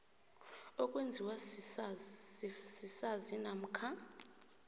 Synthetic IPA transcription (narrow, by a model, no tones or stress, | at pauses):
ɔkʼwend͡zʱiwa | sisazinam̩kʰa